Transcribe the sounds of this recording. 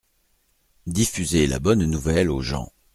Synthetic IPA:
d̪ifyzela̰bɔnːuvɛloʒɑ̰̃

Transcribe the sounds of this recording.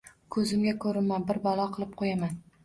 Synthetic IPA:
kʰɵzɪmɡʲakʰɵɾɪmanbɪɾbɒlˠɒqʰɨlˠɪp̚qʰojaman

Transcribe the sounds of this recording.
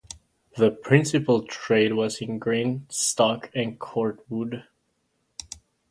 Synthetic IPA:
ðəpʰɹ̥ɪ̃nsɨpəl̩ˠtʰɹ̥eɪd̚wʌzɨ̃nɡɹĩnstɑkʰɨ̃nkʰɔɹt̚wud

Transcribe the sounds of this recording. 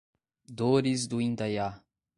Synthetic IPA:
d̪oɾɪzd̪ʊĩnd̪aja

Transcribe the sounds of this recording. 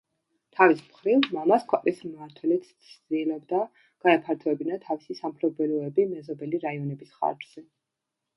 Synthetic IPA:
t̪ʰavismχɾivmamaskʰwɛqʼismaɾt̪ʰwɛlit̪ʰsʰd̪ilɔbd̪a | ɡ̥aɛpʰaɾt̪ʰɔɛbinat̪ʰavisisamχʰlɔbɛlɔɛbimɛzɔbɛliɾaiɔnɛbisχa̰ɾd͡ʒz̥ɛ

